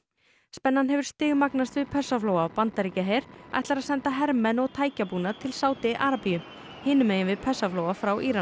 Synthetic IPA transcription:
spɛnːanɦɛvʏɾ̥st̪ɪːɣmaknast̪vɪðpʰɛsafloːwapant̪aɾicaɦeːjɾ̥a̰jht̪laɾaðsɛnt̪aɦɛɾmɛnɔɣt̪ʰaːjcapuːnat̪ʰɪlsaːwt̪ɪʔaɾapijʏ | hɪːnʏmeːjɪnvɪðpʰɛsːafloːwafɾawʔiːɾa

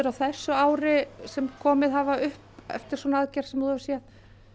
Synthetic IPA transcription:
ʏɾawθɛsːʏaːwɾɪsɛmkʰɔːmɪðɦavaʏhpɛ̰ft̪ɪɾ̥sɔnaaðcɛɾ̥sɛmuhavɾ̥sjɛt̪

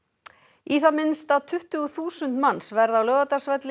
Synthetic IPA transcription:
iθamɪnst̪aðt̪ʰʏht̪ʏɣʏθuːsʏnt̪mansvɛɾðawlœːvat̪asvɛt̪lɪ

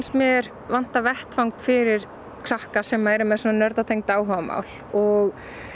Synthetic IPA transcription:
nsmjɛɾ | van̥t̪avɛht̪fawŋkfɪɾɪɾ̥ | kʰɾahkasɛmːaðɛɾʏmɛðsɔːnanœɾt̪at̪ʰejŋk̚t̪aːwɦœvama̰ːwl̥ | ɔɣ

